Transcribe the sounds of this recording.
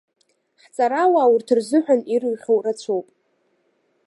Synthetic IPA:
ħt͡sʼaɾawaːwurtʰɨrzɨħʷᶣaniɾɨɥχʲowrat͡ɕʷʰowpʼ

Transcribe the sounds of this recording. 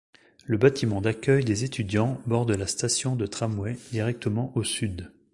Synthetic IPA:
ləbat̪imɑ̃d̪akʲœjd̪ezet̪ʰyd̪jɑ̃bɔʁd̪last̪asjɔ̃d̪ət̪χamwɛd̪iʁɛk̚t̪ʰəmɑ̃ʔosyd̪

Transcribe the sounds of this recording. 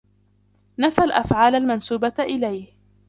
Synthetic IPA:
nafalʔa̰fʕaːlalmansuːbaʔɪlajh

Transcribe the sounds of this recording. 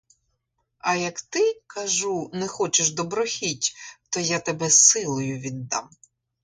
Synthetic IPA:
ɐjɐkt̪ɪkɐʒunɛxɔt͡ʃɪʃd̪ɔbɾɔxʲitʲt̪ɔjat̪ebɛsɪlˠɔjʊʋʲid̪ːɑ̰m

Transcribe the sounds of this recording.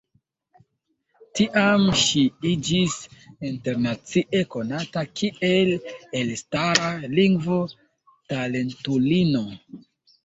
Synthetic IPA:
tiʔamʃiid͡ʒisinte̞ɾnat͡siʔe̞ko̞natakʰiʔe̞lelstaɾaliŋɡvo̞ | tale̞ntulino̞

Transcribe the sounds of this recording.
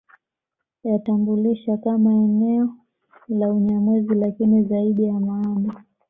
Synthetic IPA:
jatambuliʃakamaɛnɛɔ | lauɲamizilakinizaiɗijamaana

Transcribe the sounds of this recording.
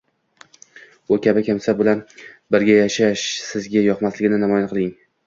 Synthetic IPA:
ʊkʲʰabɪkʲʰamsabʊlanbɪɾɡʲajaʃaʃsɪzɡʲajɒqmaslɪɡʲɪnɪnamɒjanqʰɨlˠɪŋ

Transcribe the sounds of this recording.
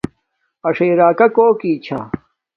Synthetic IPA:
ɐʂeːɾaːkɐkoːkiːt͡ɕʰa̰

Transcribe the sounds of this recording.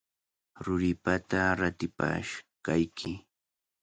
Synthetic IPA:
ɾʊɾɪpat̪aɾat̪ɪpa̰ʃkajkʰɪ

